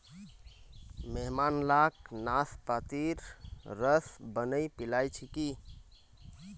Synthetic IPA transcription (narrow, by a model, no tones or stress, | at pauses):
meɦmanlaknaspat̪iɾɾəsbənəjpilajt͡ʃʰiki